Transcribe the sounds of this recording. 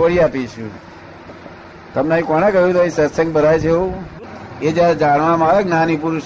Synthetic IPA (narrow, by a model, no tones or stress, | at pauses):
əɽiapit͡ʃṵ̃ | t̪əmneaĩkoñekəɦjũt̪oisəsə̃ŋɡ̚bəɾajt͡ʃʰeũ | ed͡ʒjaɾed͡ʒaɽʋãmãɾeɡnanipuɾuʃ